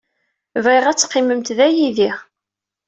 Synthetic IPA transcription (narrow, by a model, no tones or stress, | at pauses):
viʁæt͡sːqːiməmt̪ðæjiði